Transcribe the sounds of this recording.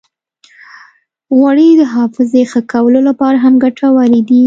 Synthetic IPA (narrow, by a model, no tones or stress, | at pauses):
ɣwaɽid̪əɦɑfɪzexəkawəlolapɑɾaɦamɡaʈʰawaɾid̪i